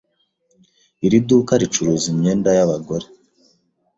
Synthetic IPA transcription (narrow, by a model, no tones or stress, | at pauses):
iɾidukaɾit͡ʃuɾoːzimɲeːndajaβaɡo̞ɾe